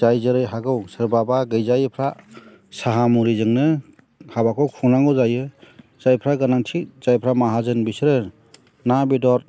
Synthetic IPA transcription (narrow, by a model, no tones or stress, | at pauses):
ajzɯɾɯjɦaɡɯwsɯɾbabaɡɯjzajɯpʰɾa | saɦamuɾizɯŋnɯ | habakʰɔkʰunaŋɡɯwzajɯ | z̥ajpʰɾaɡanaŋtʰik̚z̥ajpʰɾamaɦazɯnbisɾɯ | nabidɔɾ